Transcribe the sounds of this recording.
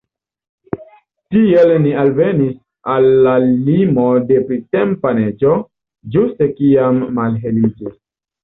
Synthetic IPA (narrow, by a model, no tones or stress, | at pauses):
tielnialvenis | alːalimodepɾitempaned͡ʒo | d͡ʒustekiamːalɦelid͡ʒis